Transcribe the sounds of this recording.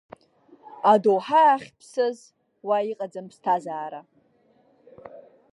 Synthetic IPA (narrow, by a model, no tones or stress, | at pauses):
adowħaːχʲpʰsɨz | waiqʼad͡zanpstʰazaːɾa